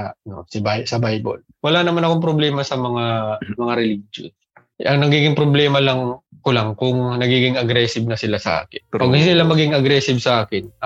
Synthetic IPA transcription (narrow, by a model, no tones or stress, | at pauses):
ɐɐno̰sɪbajsɐbajbo̰l | wɐlanɐmanɐkoŋpɾoblɛːmɐsɐmɐŋamɐŋaɾɛliːd͡ʒo̰n | ʔɐŋnɐɡiːɡɪŋpɾoblɛːmɐlɐŋkʊlaŋkʊŋnɐɡiːɡɪŋʔɐɡɾɛːsɪb̚nɐsɪlasɐ̰ʔa̰ːkɪnpɐɡsɪlamɐɡɪŋʔɐɡɾɛːsɪbsɐʔaːkɪn